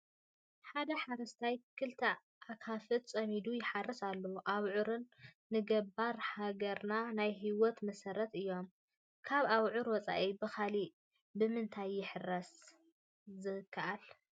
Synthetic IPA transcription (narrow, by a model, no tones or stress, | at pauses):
ħad̪ɐħaɾɐst̪ʰajkʰɨlt̪ʰɐ | ʔakʰafɨt̪t͡sʼɐmid̪ujɪħarːɐsalːɐwuʔaβʕuɾɨnː | ɨɡɐbaɾhaɡɐɾnanajɦiwɔt̪mɐsɐɾɐt̪ɨjːo̞m | kʰaβaβʕʊɾwɔt͡sʼa̰ʔibɨxʰali | bɨmɨnt̪ʰajːɪħɨrɐs | zɨkʰːaʔal